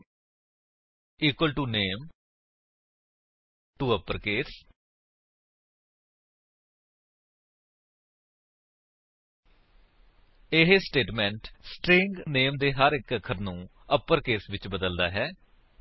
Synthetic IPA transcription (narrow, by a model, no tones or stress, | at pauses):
iːkwəlʈuːneːm | ʈuːəpːəɾkeːs | ɪɦesʈeːʈmɛ̃ɳʈsʈɾɪ̃ŋɡneːmd̪eːɦəɾɪkəkʰəɾnũː | əpːəɾkeːsʋɪt͡ʃbəd̪əld̪a̰ːɦɛː